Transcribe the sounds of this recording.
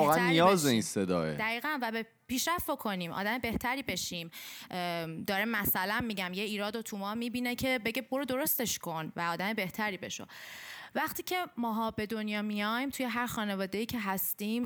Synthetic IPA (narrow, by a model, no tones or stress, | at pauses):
ɔɣænijɒːzeinsed̪ɒ̰ːḛd̪æɣiːɣænvæbe | piːʃɾæfbo̞kʰo̞niːmʔɒ̰ːd̪æme̞be̞ht̪ʰæɾiːbe̞ʃim | d̪̥ɒːɾemæsælænmiːɟæmje̞iːɾɒːd̪ot̪ʰumɒːmibinecʰe̞be̞ɟeboɾod̪o̞ɾo̞st̪e̞ʃkʰo̞nvæɒːd̪æme̞be̞ht̪ʰæɾiːbe̞ʃo̰væχt̪iːcʰe̞mɒːɦɒːbe̞d̪onjɒːmijɒjmt̪ʰuje̞ɦæɾxɒːne̞vɒːd̪e̞jiːcʰe̞ɦæst̪iːm